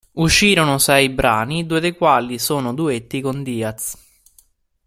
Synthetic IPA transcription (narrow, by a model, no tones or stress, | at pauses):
uʃːiːɾonʊsɛjibɾa̰ːnid̪uːed̪ekwaːlisoːnʊd̪uet̪ːikond̪iːat̪s